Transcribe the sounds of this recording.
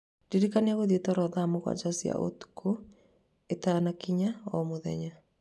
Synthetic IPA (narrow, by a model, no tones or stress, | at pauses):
d̥iɾikaneaɣoðietɔɾɔðamoɣwa̰d͡ʒasia̰ʔo̰tu̥kʰu | etanakiɲaɔmoðɛ̰ɲa